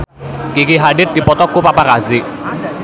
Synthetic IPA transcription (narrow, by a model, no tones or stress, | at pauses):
kikiɦaɖɪt̪̚d̪i̤pɔt̪ɔkupapakazɪʔ